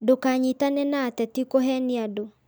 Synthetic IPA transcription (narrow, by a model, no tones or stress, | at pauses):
dokaɲitanɛnaːtɛtikoɦɛniado